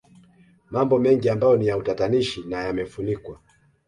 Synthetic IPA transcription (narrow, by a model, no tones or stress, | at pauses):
mambɔmɛŋɡiambajɔnijautataniʃinajamɛfunikwa